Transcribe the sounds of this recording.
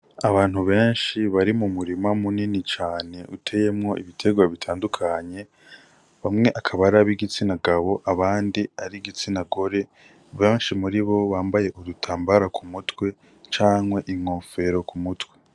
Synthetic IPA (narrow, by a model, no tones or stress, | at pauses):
aβaːn̥huβe̞ːnʃiβaɾimumuɾimamuninit͡ʃaːne̞ʔutʰe̞je̞mŋo̞ʔiβitʰe̞ɡwaβitʰaːndukʰaɲe̞ | βamŋe̞ʔakʰaβaɾaβiɡit͡sinaɡaβo̞ʔaβaːndiaɾiɡit͡sinaɡo̞ɾe̞ | βeːnʃimuɾiβo̞βaːmbaje̞ʔuɾutʰaːmbaɾakʰumutwe̞ | t͡ʃaːŋwe̞ʔiŋoːfe̞ɾo̞kʰumutwe